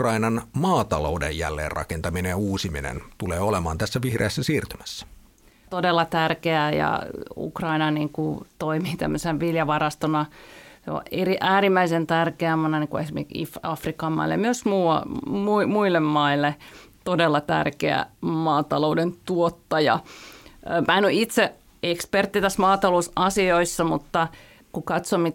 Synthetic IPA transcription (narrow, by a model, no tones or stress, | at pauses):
krɑinɑnmɑːt̪ɑlo̰udḛjjæ̰lːḛːrrɑ̰kent̪ɑminejɑuːsiminḛnt̪uleːolemɑ̰ːnt̪æsːæʋihrḛːsːæsiːrt̪ymæsːæ̥ | t̪odelːɑt̪ærkeæjɑ̰ṵkrɑinɑniːŋkut̪oimiːt̪æ̰mːøsenʋiljɑʋɑrɑst̪onɑseo̰ʔeriʔæːrimːæisent̪ærkeæmɑnɑnikuesimḛikḭfɑfrikɑmːɑ̰ilːḛmyøsmuːɑmuimuilːemːɑilːet̪odelːɑt̪æ̰rkḛæ̰mɑːt̪ɑloudent̪uot̪ːɑjɑ̰ | mʔæenoit̪se | ekspert̪ːit̪æsmɑːt̪ɑlousɑsioisːɑmut̪ːɑ | kukɑt̪somi